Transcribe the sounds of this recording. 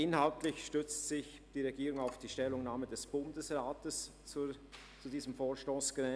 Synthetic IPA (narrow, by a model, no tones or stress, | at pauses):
ɪnhaltlɪçʃtʏt͡stsɪç | d̥iːʁeɡiːʁʊŋaʊfd̥iːʃtɛlːʊŋnaːmədɛsb̥ʊndəsʁaːtəs | t͡sudiːzəmfoːʃtoːsɡ̥ʁɛ